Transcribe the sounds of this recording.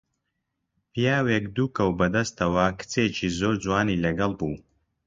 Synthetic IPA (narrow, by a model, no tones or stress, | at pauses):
pijaːwekd̪uːkɐwbɐd̪ɐst̪ɐwɐkɨ̥t͡set͡ʃiːzoːɾd͡zwaːniːlɐɡɐlˠbuː